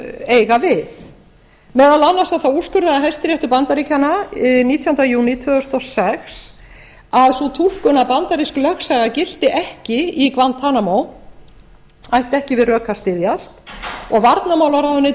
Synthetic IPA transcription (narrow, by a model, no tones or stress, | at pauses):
eːjɣavɪθ | mɛːðalanːast̪aðθawuskʏɾðaaɦɛjst̪ɪɾjɛjht̪ʏpant̪aɾicananiːt̪ʰjɔnt̪ajuːnit̪ʰvʏːðʏst̪ɔsɛxs | aðsut̪ʰul̥kʏnapant̪aɾisklœxsajɣacɪl̥t̪ɪʔɛhcɪikvant̪ʰːaːnamow | ajht̪ɛhcɪvɪðrœːkast̪ɪðjast̪ɔɣvaɾt̪namawlaɾaðʏnɪ